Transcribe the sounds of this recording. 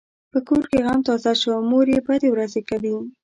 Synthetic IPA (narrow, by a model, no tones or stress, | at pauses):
pəkoɾkeɣamt̪ɑzaʃwamoɾjebəd̪ewɾazekawi